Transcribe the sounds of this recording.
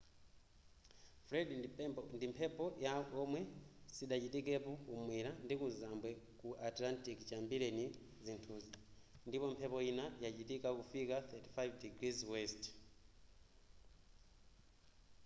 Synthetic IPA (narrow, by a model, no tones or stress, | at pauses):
fɾɛdindipɛɔndimpʰɛpɔjakɔmwɛsiɗat͡ʃitikɛpɔkumwiɾandikuzambwɛkuʔatlantikt͡ʃambiɾɛni | zintʰuzi | ndipɔmpʰɛpɔinajat͡ʃitikakufikaθɛti̥fajvdiɡɾizwɛst